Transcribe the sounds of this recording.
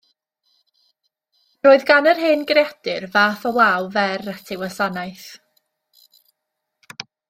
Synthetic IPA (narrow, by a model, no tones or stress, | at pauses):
roːɨðɡanərɦeːnɡrjad̥ɨrvaːfəwawvɛrətʰɪwasanajθ